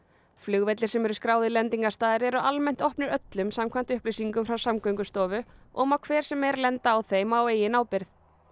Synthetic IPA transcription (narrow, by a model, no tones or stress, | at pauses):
flʏɣvɛt̪lɪɾ̥sɛmɛɾʏskɾaːwðɪlɛnt̪iŋkast̪aːðɪɾɛɾʏʔalmɛn̥t̪ɔhpnɪɾœt̪lʏmsamkʰvant̪ʏhplejsiŋkʏmfɾawsamkœɥŋkʏst̪ɔːvʏʔɔmawkʰvɛːɾ̥sɛmɛɾlɛnt̪aːwθejmaːweːjɪnaːwpɪɾθ